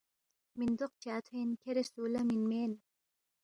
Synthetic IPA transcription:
mind̪oq̚t͡ʃaːt̪ʰenkʰeɾesuːlɐminmeːn

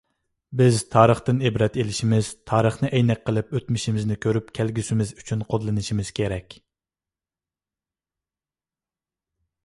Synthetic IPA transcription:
bɪzt̪ʰɑːɾəχt̪ɨnebɾɛt̪elɪʃimɪz̥t̪ʰɑːɾəχnɨʔɛjnɛk̚ʲqʰːəlˠɨpøt̪mɪʃimɪznɪkʲʰøɾypkʲʰælɡʲysɪmɪzyt͡ʃʰynqʰod̪lˠɨnɨʃimɪz̥kʲʰeɾɛkʲ

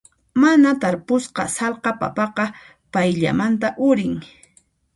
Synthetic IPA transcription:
manat̪aɾpʊsqɑ̰sɑlqɑpa̰pɑqɑ | pajʎa̰mant̪aʔʊɾɪŋ

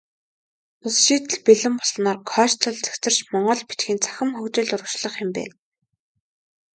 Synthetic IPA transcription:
ʊsʃiːt̪ɘ̆ɮpiɮɘ̆mpɔɮnaːrkʰœːʃt̪ʰʊ̆ɮt͡sœ̥kt͡sɘ̆r̥t͡ɕmɔɴɢɞ̆ɮpi̥t̪xiːnt͡sʰḁxʲɘ̆mxɵkt͡ɕĕːɮʊrə̆kt͡ɕɮə̆χɪ̆mpæ̰ːn

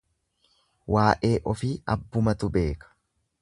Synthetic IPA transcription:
waːʔe̞ːʔɔfiːɐbːʊmɐt̪ʊbe̞ːkɐ̥

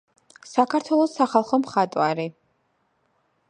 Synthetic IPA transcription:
sakʰaɾt̪ʰwɛlˠɔsːaχalˠχɔmχat̪ʼwaɾi

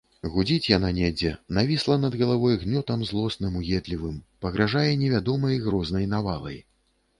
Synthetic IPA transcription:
ɣud͡zʲit͡sʲjananʲɛd͡zʲɛnavʲislˠɐnɐd̪ɣɐlˠavɔjɣnʲɔt̪ɐmzlˠɔsnɨmujɛd̪lʲivɨmpɐɣɾʔaʐajɛnʲɛvʲad̪ɔmɐjɣɾɔznɐjnavalˠɐ̰j

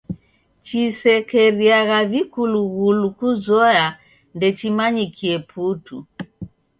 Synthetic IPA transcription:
t͡ʃisɛkɛɾiaɣavikuluɣulukuzɔja | ndɛt͡ʃimaɲikʰiɛpʰutu

